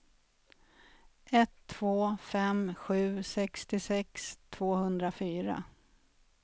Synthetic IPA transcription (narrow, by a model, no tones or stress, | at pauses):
ʔɛt̪ʰːv̥oːfɛmɧʉ̟ːsɛkst̪ɪsɛkst̪ʰv̥oːhɵnd̪ɾafyːɾa̰